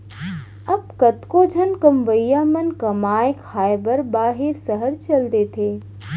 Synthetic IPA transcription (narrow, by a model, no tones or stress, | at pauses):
ɐb̚kɐt̪kod͡ʒʱɐnkɐmʋəjːaːmɐnkɐmaːjkʰaːjbəɾbaːɦɪɾsəɦəɾt͡ʃɐld̪eːt̪ʰeː